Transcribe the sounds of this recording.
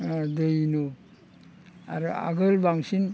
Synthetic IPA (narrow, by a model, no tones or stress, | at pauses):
dɯjnu | a̰ɾua̰ɡɯlbaŋsin